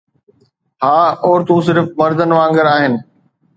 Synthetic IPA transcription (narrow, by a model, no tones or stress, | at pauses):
haːɔːɾt̪ũs̬ɪɾfmɐɾd̪ənʋãːŋɡəɾaːɦɪnɪ̆